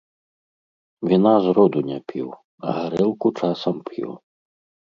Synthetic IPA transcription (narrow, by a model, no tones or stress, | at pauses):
vʲinazɾɔd̪unʲɛpʲʰḭw | ɐ̰ɣaɾɛlˠkut͡ʂasɐmpʰʲḭw